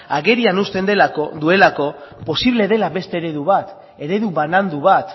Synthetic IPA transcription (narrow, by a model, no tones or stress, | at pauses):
aɣe̞ɾianust̪e̞nd̪e̞lako̞due̞lako̞po̞siβle̞ð̞e̞laβe̞st̪e̞ːɾe̞ðuβat̪ | e̞ɾe̞ðuβanand̪uβat̪